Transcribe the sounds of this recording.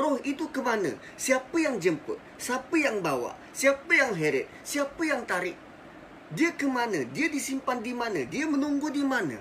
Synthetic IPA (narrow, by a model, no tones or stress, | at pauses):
rɔhit̪ukəmanə̰ | siapəjaŋd͡ʒəmpə̰ʔ | sapəjaŋbawa̰ʔ | siapəjaŋɦeɾɛʔ̚ | siapəjaŋt̪aɾɪʔ | diakəmanədiadisimpandimanədiamənuŋɡudimanə̰